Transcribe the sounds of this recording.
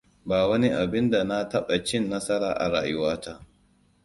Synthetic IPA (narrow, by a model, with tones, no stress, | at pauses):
baː˨wɐ˦ni˦ʔa˨bɪ˦nda˨na˦tɐ˦ɓa˨t͡ʃɪ˦˨nːɐ˦sɐ˦ɾaː˨ʔa̰˨ɽa̰ː˨jʊ˦waː˦ta˦ʔ